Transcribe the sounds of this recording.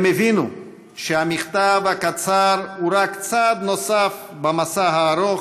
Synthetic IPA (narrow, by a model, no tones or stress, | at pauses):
mevinu | ʃehamiχt̪avhakat͡saɾuɾakt͡sad̪no̞saf | bamasaɦaːɾo